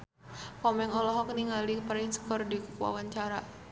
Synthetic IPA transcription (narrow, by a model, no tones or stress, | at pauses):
kɔmɛŋɔlɔɦɔk̚niŋalipaɾɪŋsə̥kɔrdikə̥kua̰waɲt͡ʃaɾa